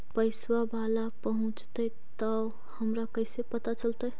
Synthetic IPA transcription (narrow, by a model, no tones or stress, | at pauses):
pəɪswabalapəɦũt͡ʃt̪ə | tt̪ə | həmɾakəɪsepət̪at͡ʃəlt̪əj